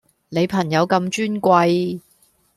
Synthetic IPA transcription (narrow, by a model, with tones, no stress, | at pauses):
ne˨˧jpʰɐ˨˩ŋjɐ˨˧wkɐ˧mt͡ʃyː˥nkʷɐ˧j